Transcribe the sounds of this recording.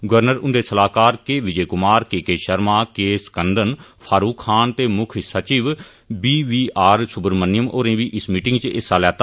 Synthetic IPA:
ɡʋəɾnəɾʊnd̪eːsəlaːkaːɾkeːʋɪd͡ʒeːkʊmaːɾkeːkeːʃəɾmaːkeːskənd̪ənpʰaːɾuːkʰːaːnt̪eːmʊkʰsət͡ʃiːʋ | biːʋiːaːɾsʊbəɾmənɪjəmoːɾẽːʋiːʔɪsmiːʈɪŋɡt͡ʃɪsaːlɛːt̪aː

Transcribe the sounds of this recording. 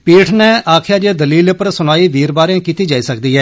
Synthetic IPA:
piːʈʰnɛːʔaːkʰjaːd͡ʒeːd̪əliːlepəɾsʊnaːiːʋiːɾbaːɾeãːkiːt̪iːd͡ʒaːiːsək̚d̪iːɦɛː

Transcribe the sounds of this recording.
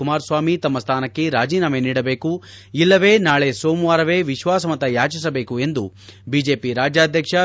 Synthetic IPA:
umaːɾsʋaːmit̪ɐmːɐst̪ʰaːnɐkːe̞ɾaːd͡ʒiːnaːmeniːɽɐbeːku | ilːɐʋe̞ːnaːɭesoːmuʋaːɾɐʋe̞ːʋiʃʋaːsɐmɐt̪ɐjaːt͡ʃis̬ɐbeːkue̞nd̪ubiːd͡ʒe̞ːpiɾaːd͡ʒjaːd̪ʱjɐkʂɐ

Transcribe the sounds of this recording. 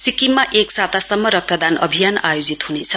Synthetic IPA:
sikimːaʔeksat̪asʌmːʌɾʌk̚t̪ʌd̪anʌ̰bʱijanajod͡zit̪hunet͡sʰʌ

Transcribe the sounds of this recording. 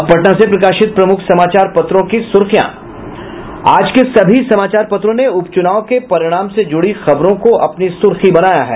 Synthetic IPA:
pɐʈnãːsepɾɐkaːʃɪt̪̚pɾɐmʊkʰsɐmaːt͡ʃaːɾpɐt̪ɾõkisʊɾxjã̰ː | aːd͡ʒkesɐbʱisɐmaːt͡ʃaːɾpɐt̪ɾõneʊpt͡ʃʊnaːokepɐɾɪɽ̃aːmsed͡ʒʊɽixɐbɾõkoʔɐpnisʊɾxibɐnaːja̰ɦɛ̰ː

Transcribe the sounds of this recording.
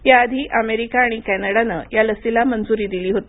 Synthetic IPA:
jaːd̪ʱiːʔəmeɾikaːɽ̃ikænəɽanə̰jaləsilamənd͡zuɾiːd̪iliːɦot̪i

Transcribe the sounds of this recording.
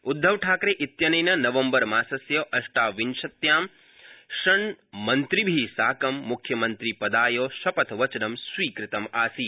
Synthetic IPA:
ud̪ʱːɐʋʈʰaːkɾeːʔit̪jɐnɐjnɐnɐʋɐmbɐɾmaːsɐsjɐʔɐʃʈaːʋinʃɐt̪jaːm | ʃɐɳmɐnt̪ɾibʱisaːkɐmːukʰjɐmɐnt̪ɾipɐd̪aːjoːʃɐpɐt̪ʰʋɐt͡ʃɐnɐmsʋiːkɾɪt̪ɐmaːsiː

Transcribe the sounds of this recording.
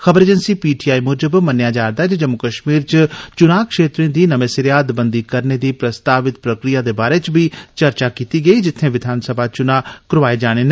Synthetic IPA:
xəbəɾeːd͡ʒənsiːpiːʈiːaːimoːd͡ʒəbmənjaːd͡ʒaːɾd̪aɛd͡ʒed͡ʒəmːʊkəʃmiːɾt͡ʃt͡ʃʊnaːkʃeːt̪ɾẽːd̪iːnəmeːsɪɾjaːd̪bənd̪iːkəɾneːd̪iːpɾəst̪aːʋɪt̪pɾəkɾɪjaːd̪eːbaːɾeːt͡ʃbiːt͡ʃəɾt͡ʃaːkiːt̪iːɡəiːd͡ʒɪt̪ʰːẽːʋɪd̪ʱaːnsəbʱaːt͡ʃʊnaːkɾʋaːed͡ʒaːɽ̃eːne

